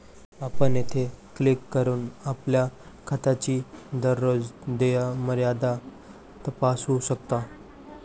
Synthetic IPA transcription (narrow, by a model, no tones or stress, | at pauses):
apənjet̪ʰeklikːəɾuːnaplja | kʰat̪at͡ɕiːd̪əɾːod͡zd̪ejaməɾjad̪a | t̪əpasuɕəkt̪a